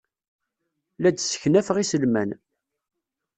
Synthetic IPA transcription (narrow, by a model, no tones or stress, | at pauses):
læd̪sə̥çnæfəʁisəlmæ̰n